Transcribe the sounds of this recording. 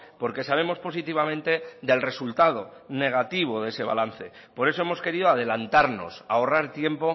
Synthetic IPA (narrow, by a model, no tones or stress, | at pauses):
po̞ɾke̞saβ̞e̞mo̞spo̞sit̪iβ̞amẽ̞nt̪e̞ðe̞lre̞sult̪að̞o̞ne̞ɣ̞at̪iβ̞o̞ðe̞se̞βa̰lan̟θe̞ | po̞ɾe̞s̬o̞e̞mo̞ske̞ɾiðo̞að̞e̞lant̪aɾno̞̰sao̞raɾt̪je̞mpo̞